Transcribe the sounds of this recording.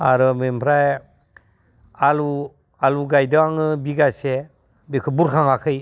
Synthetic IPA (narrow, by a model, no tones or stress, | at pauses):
aɾɯmempʰɾaj | alu | aluɡajdɯaŋɯbiɡase | bekʰɯbuɾkʰaŋakʰɯj